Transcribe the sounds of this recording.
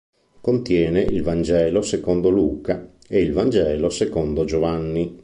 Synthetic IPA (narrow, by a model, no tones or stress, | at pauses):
kont̪jɛːneʔilvand͡ʒɛːlosekond̪oluːka | eilvand͡ʒɛːlosekond̪od͡ʒovanːi